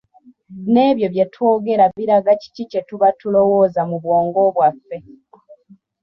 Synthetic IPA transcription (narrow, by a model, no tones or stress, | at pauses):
ne̞ːβjo̞βje̞two̞ːɡe̞ɾaβiɾaɡaci̥cice̞tuβatulo̞wo̞ːzamuβwo̞ːŋɡo̞βwafːe̞